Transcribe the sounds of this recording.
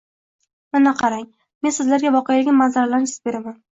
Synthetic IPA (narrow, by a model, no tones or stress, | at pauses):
nɪnaqʰɑɾaŋ | me̞nsɪzlaɾɡʲavɒqejalɪɡ̪ʲmanzaɾalaɾɪsɪ̥zbe̞ɾaman